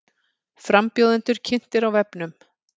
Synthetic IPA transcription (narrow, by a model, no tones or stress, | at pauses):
fɾampjoːwðɛnt̪ʏɾ̥cʰɪn̥t̪ɪɾawvɛpnʏm